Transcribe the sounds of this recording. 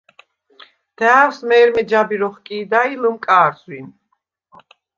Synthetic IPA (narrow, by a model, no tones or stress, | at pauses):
d̪̥æːwsmɛːɾmɛd͡ʒabiɾɔχkʼiːd̪ailɨmkʼaːɾswin